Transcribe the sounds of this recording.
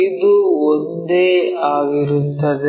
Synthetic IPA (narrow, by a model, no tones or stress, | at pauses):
id̪uond̪eːaːɡiɾunt̪ɐd̪e